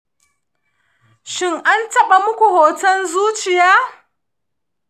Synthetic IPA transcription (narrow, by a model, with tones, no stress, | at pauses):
ʃɪ˦ŋʔa˦ntɐ˦ɓa˨mʊ˦kʷu˨hoː˨tɐ˦nzuː˦t͡ʃɪ˨jaː˦